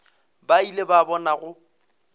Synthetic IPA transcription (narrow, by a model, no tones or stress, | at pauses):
bailebabɔnaɣʊ